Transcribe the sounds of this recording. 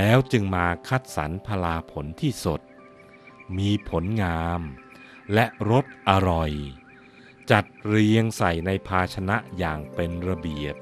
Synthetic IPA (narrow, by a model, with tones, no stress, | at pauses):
lɛː˦˥wt͡ɕɯ˧ŋmaː˧kʰa˦˥˩t̪̚sa̰˩˦npʰa˧laː˧pʰo˩˦nt̪ʰiː˥˩so˨˩t̪̚ | miː˧pʰo˩˦nŋaː˧m | lɛ˦˥ʔɾo˦˥t̪̚ʔa˧ɾɔ˨˩j | t͡ɕa˨˩t̪̚ɾi˧əŋsa˨˩jna˧jpʰaː˧t͡ɕʰa˧na˦˥ʔjaː˨˩ŋpe˧nɾa˧bi˨˩əp̚